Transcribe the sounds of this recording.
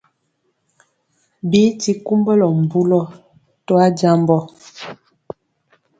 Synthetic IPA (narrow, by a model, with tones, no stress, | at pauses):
bi˦ti˦ku˦mbə˦lɔ˨m̩˨bu˦lɔ˦ | tɔ˦a˦d͡ʒa˦mbɔ˦